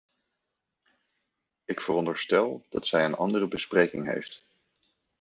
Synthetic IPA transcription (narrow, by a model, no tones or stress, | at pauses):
ɪkfərɔndəɹstɛlˠd̥ɑ̰tsɛjənɑ̰ndərəbəsprejkɪŋɦḛjft